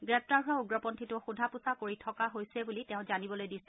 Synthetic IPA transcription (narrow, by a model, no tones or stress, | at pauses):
ɡɹɛp̚taɹɦʊauɡɹɔpɔntʰitʊxudʱapusakoɹitʰɔkaɦojsɛbulitẽʊ̃zanibɔlojdisɛ̥